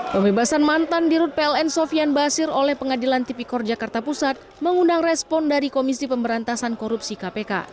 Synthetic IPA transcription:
pəmbebasanmant̪andiɾʊt̪̚peɛlɛnsofianbasɪɾolɛhpəŋadilant̪ipikɔrd͡ʒakart̪apusat̪̚məŋundaŋrɛspɔndaɾikomisipəmbəɾant̪asankoɾupsikapeka̰

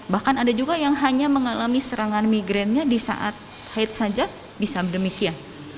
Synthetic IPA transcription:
bahkanadad͡ʒuɡajaŋɦaɲaməŋalamisəɾaŋanmiɡɾɛnɲadisa̰ʔa̰t̪̚ | haɪt̪̚sad͡ʒa | bisabədəmikian

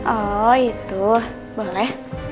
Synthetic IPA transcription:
ʔɔit̪u | bolɛh

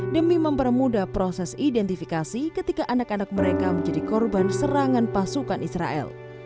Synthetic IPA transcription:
dəmiməmpərmudapɾosɛsidɛnt̪ifikasikət̪ikaʔanakanak̚məɾekaməɲd͡ʒadikɔrbansəɾaŋanpasukanʔisɾa̰ʔɛ̰l

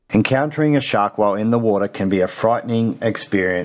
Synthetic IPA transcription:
ɨ̃nkʰãʊ̃ntʰə˞ɪ̃ŋɨʃɑɹkwaɪlˠɪ̃nðəwɔɾə˞kʰɨ̃nbiɨfɹaɪʔn̩ɪ̃ŋɨkspɪɹiɨ̃

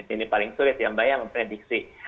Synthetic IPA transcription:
inipalɪŋsuɾɪt̪jambajaməmpuɲadiksi

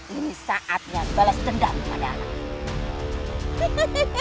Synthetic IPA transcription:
inisaʔat̪̚jaŋbalast̪əndampa̰daana̰

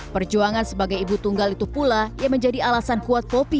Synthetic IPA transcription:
pərd͡ʒuaŋansəbaɡajibut̪uŋɡalit̪upulajaŋməɲd͡ʒadialasankuat̪̚popi

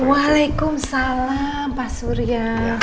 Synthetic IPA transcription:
walekʊmsala | mpasuɾija

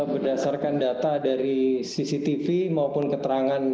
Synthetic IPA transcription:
bərdasarkandat̪adaɾisisit̪ifimaopʊnkət̪əɾaŋan

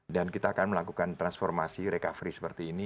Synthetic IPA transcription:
dankit̪aːkanməlakukant̪ɾansfɔrmasiɾekafɾisə̥pərt̪iːni

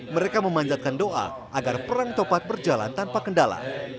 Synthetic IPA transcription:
məɾekaməmaɲd͡ʒat̪̚kandoʔa̰ | ʔaɡarpəɾaŋt̪opat̪̚bərd͡ʒala̰nt̪anpakəndala̰

